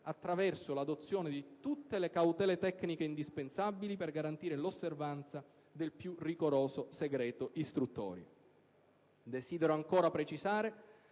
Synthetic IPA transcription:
at̪ːɾavɛrsolad̪ot̪sːjoːned̪it̪ut̪ːelekawt̪ɛːlet̪ɛkːnikeind̪ispensabːiliperɡaɾant̪iːɾelosːervant̪sa | d̪elpjuriɡoɾoːsoseɡɾɛːt̪oʔist̪ɾut̪ːɔ̰ːɾi | d̪esiːd̪eɾoaŋkoːɾapɾet͡ʃizaːɾe

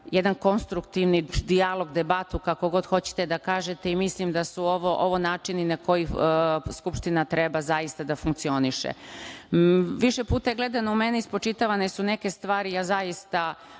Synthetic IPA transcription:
jed̪anko̞nst̪ɾukt̪iʋnid̪ialo̞ɡd̪ebat̪ukako̞ɡo̞d̪xo̞t͡ɕe̥t̪ed̪akaːʒet̪eimislimd̪asuoʋoʔoʋonaːt͡ʃininako̞jiskupʃt̪inat̪ɾebazaist̪ad̪afuŋkt̪sio̞niʃḛ | ʋiʃepuːt̪aeɡle̞d̪anoume̞neispɾot͡ʃit̪aʋanesune̞ke̞st̪ʋaːɾijazaist̪a

